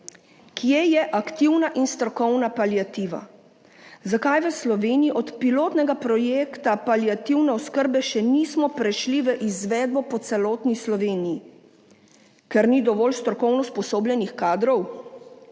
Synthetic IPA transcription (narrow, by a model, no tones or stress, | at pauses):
kʰijeːjɛʔakt̪iwnaʔinst̪ɾɔkɔwnapaljat̪iːʋa̰ | zakajʋəslɔʋeːniiʔɔt̪piloːt̪nɛɡapɾɔjeːkt̪apaljat̪iwnɛɔskəɾbɛʃɛnismɔpɾɛʃliʋəʔizʋɛːd̪̚bɔpɔt̪sɛlɔːt̪nislɔʋeːniji | kɛɾnid̪ɔʋɔːlst̪ɾɔkɔwnɔspɔsoːblʲjɛnixkaːd̪ɾɔw